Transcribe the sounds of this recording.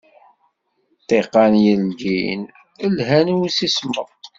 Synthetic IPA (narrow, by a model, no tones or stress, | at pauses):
t̪ˤeqːɑnjəlɡin | əlɦænwisisməðˤ